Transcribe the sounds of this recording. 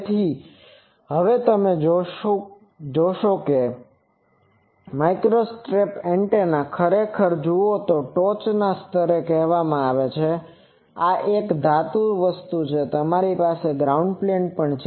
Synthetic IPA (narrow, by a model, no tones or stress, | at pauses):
t̪ʰi | ɦəʋet̪əmeo | d͡ʒoʃoke | maikɾosʈɾepeɳʈenakʰəɾekʰəɾd͡ʒuot̪oʈot͡ʃnast̪ʰəɾekɛɦʋamãaʋet͡ʃʰe | aʔekd̪ʱat̪uɾʋəst̪ut͡ʃʰet̪əmaɾipaseɡɾauɳɖpleɳʈ̚pəɳt͡ʃʰ